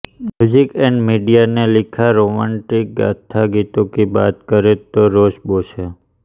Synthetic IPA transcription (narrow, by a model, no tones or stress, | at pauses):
mjuzikɛɳɖmiɖijanelikʰaɾomãɳʈik̚ɡa̰t̪ʰaɡit̪õkiba̰t̪kəɾet̪oɾoʃboʃʰe